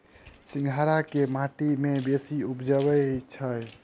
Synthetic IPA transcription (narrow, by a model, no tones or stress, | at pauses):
sĩŋɡʱaɾakemaʈimebesiupd͡ʒəbət͡ʃʰəj